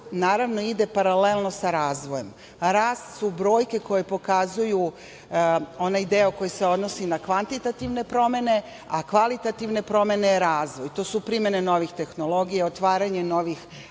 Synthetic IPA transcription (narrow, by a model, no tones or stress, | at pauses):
naːɾaʋno̞id̪e̞paɾale̞lˠno̞saɾaːzʋoje̞m | ɾaːst̪subɾo̞ːjke̞ko̞jepo̞kazuju | o̞najd̪eo̞ko̞jese̞o̞d̪nosinakʋant̪it̪at̪iʋne̞pɾo̞me̞ne̞ | akʋalit̪at̪iʋne̞pɾo̞me̞neɾaːzd̪ʋojt̪o̞ːsupɾime̞neno̞ʋixt̪e̞xno̞lˠo̞ɡijaot̪ʋaːɾaɲe̞no̞ʋix